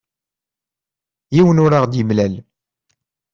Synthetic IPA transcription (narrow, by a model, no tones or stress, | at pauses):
jiwənʊɾaʁd̪jəmlæl